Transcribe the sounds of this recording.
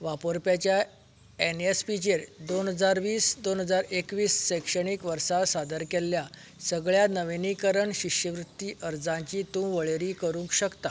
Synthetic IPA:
ʋapoɾpjat͡ɕja | enespit͡ɕeɾd̪onɦəd͡zaɾʋiːsd̪onɦəd͡zaɾekʋiːsːəkɕəɳikʋəɾsasad̪əɾkelːja | səɡɭjanəʋenikəɾəɳɕiɕjəʋɾut̪ːiːʔəɾd͡zãɲt͡ɕiːt̪uʋəɭeɾiːkəɾũŋkɕəkt̪a

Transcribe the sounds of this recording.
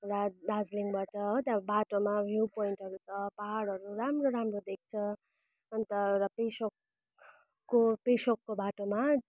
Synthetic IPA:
rabad͡zliŋbaʈʌɦot̪ãbaʈomabʱjupoiɳʈɦʌɾut͡sʰʌpaɦaɽʌɾuramroɾamrod̪ek̚ʰt͡sʰʌ | ʌnt̪ʌrʌpesokː | opesokːobaʈoma

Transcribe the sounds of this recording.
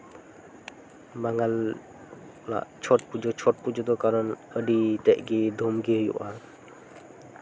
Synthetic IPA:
maŋal | la̰ʔt͡ʃʰɔt̚pud͡ʒɔt͡ʃʰɔt̚pud͡ʒɔd̪ɔkaɾɔn | əɖitɛʔɡid̪ʱɔmɡijṵʔa

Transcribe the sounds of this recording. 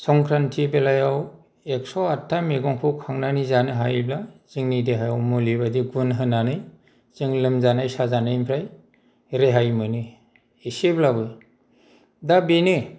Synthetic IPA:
sɔŋkʰɾantʰibelajaw | ek̚sɔatʰːameɡɔŋpʰɯwkʰaŋnanizanɯɦajblaziŋnideɦajawmulibadiɡunɦɯnanɯj | zɯŋlɯmzanajsazanajmpʰɾaj | ɾeɦajmɯnɯ | iseblabɯj | dabinɯ

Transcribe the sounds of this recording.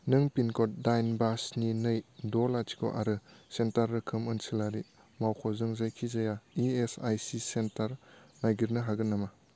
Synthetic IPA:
nɯŋpinkʰɔt̚dajnbasninɯjdɔlatʰi̥kʰɔ̰ʔa̰ɾɯsentaɾːɯkʰɯmɯnsilaɾi | mawkʰɔzɯŋzajkʰizajaiesajsisentaɾnajɡiɾnɯɦaɡɯnːama

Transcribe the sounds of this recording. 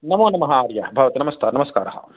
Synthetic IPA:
nɐmoːnɐmɐɦaaːɾjɐɐbʱɐʋɐt̪inɐmɐst̪aːnɐmɐska̰ːɾɐɦɐ̰

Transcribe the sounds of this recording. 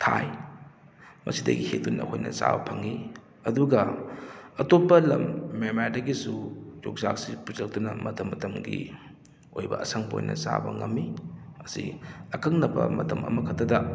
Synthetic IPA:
tʰaj | mʔɐsidɐɡihedunɐkʰojnɐsabɐpʰɐŋi | ɐduɡɐ | ɐtopːɐlɐmːemaɾdɐɡisud͡ʒok̚sak̚sipuzɐk̚dunɐmɐtɐmːɐtɐmɡi | ojbɐʔɐsaŋbo̰jnʔɐsabɐŋɐmːiɐsiɐkɐŋnɐpɐmɐtɐmɐmɐkʰɐtːɐdɐ

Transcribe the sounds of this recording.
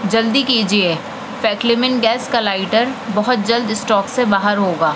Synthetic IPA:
d͡ʒɐld̪ikiːd͡ʒie | fɛːklɪmɪnɡɛːskalaːɪʈəɾbɐɦʊt̪̚d͡ʒɐld̪ɪsʈɔːksebaːɦəɾɦoːɡaː

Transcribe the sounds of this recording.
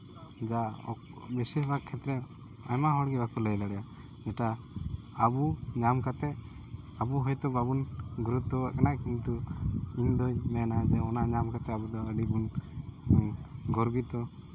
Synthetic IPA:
d͡ʒaɔ̰ | bisesbakkʰːɛt̪ɾɛ | ajmaɦɔɽɡɛbakuləjd̪aɽɛa | d͡ʒɛʈa | əbuɲamkat̪ɛ | abuɦɔjt̪ɔbabunɡuɾut̪ɔkanakint̪uind̪ɔjmɛnad͡ʒɛɔnaɲamkat̪ɛabud̪ɔəɖibun | ɡɔɾbit̪ɔ

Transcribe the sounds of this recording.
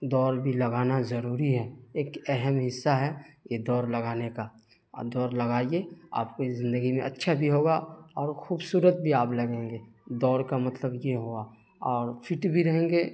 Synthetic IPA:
d̪ɔːɾbʱilɐɡaːnazəɾuːɾiɦɛːeːkɛɦɛmɦɪsːaɦɛjed̪ɔːɾlɐɡaːneka̰ | d̪ɔːɾlɐɡaːiea̰ːp̚kizɪ̃nd̪əɡimẽʔɐtːʃʰabʱiɦoːɡaɔːɾxuːbsuːɾət̪̚bʱiaːplɐɡẽːŋɡeːd̪ɔːɾkamɐt̪ləbjeɦoa | ɔːɾfʰɪʈbʱiɾɐɦẽːŋɡeː

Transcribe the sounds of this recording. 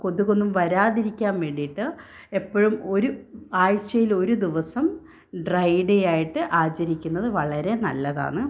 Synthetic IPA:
ko̞ðuɣo̞nːumʋɐɾaːðiɾikʲːaːmʋeɽijiʈːɨ | e̞pːoɻumo̞ɾuaːɻt͡ɕːɐjilo̞ɾud̪iʋɐsɐm | ɖrɐjɖejaːjiʈːɨʔaːt͡ɕːɐɾikʲːunːɐðɨʋɐɭɐɾe̞nɐlːɐða̰ːɳɨ

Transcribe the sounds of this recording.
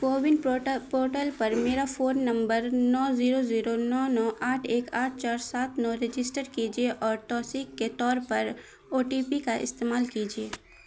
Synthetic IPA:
koːʋɪnɖpoːʈəlpɐɾmeːɾafʰoːnːɐ̃mbəɾnɔːziːɾoziːɾonɔːnɔːʔaːʈʰeːkaːʈ̚ʰt͡ʃaːɾsaːt̪ʰnɔɾed͡ʒɪsʈəɾkid͡ʒieʔɔːɾʈɔːsiːkːet̪ɔːɾpɐɾ | oːʈiːpikaʔɪ̰st̪eːmaːlkiːd͡ʒieː

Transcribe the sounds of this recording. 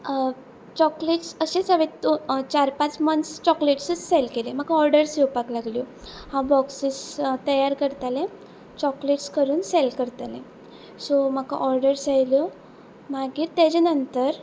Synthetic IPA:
t͡ɕɔkleʈsəɕẽt͡saʋet̪ot͡ɕaɾpãt͡smənst͡ɕɔkleʈsət͡sselkelem̤akaɔɾɖəɾsiwpaklaɡljohãbɔksist̪əjaɾkəɾt̪alẽ | t͡ɕɔkleʈskəɾuːnselkəɾt̪alẽ | som̤əkaʔɔɾɖəɾsajljɔ | maɡiːɾt̪ed͡ʑenənt̪əɾ

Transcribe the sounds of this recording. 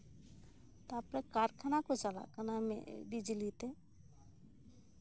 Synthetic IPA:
t̪apɾekaːɾkʰənakot͡ʃala̰kʰənamḛɖid͡ʒilit̪e

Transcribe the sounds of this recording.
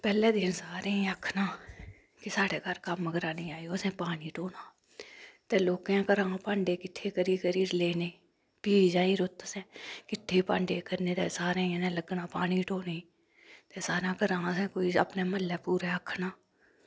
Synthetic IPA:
pɛːlɛːd̪ɪnsaːɾẽːĩəkʰnaː | kɪsaːɽeːkəɾkəməɡəɾaːnĩːaːioːsɛ̃ːpaːɽiːʈoːnaː | t̪eːloːkãːkəɾãːpãːɳɖeːkɪʈʰːeːkəɾiːkəɾiːɾleːneː | piːd͡ʒãːiːɾʊt̪əsɛ̃ːkɪʈʰːeːpãːɳɖeːkəɾnẽːt̪ɛ̰ːsaːɾẽːənɛ̃ːləɡnãːpaːniːʈoːneː | t̪eːsaːɾãːkəɾãːsɛ̃ːkoːiːə̰pneːməlːɛːpuːɾɛːəkʰnaː

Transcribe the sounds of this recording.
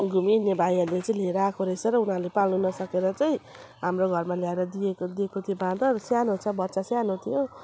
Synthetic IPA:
ɡʱuminːebʱajʌɾlet͡sʌĩleɾʌːkoɾesʰʌɾʌunɦaɾlepalnunʌsʌkeɾʌt͡sʌĩ | ɦamroɡʱʌrmaljaeɾʌd̪iekd̪iekot̪ʰijobãd̪ʌsjanɦot͡sʰʌbʌt̪ːsasjanot̪ʰijo

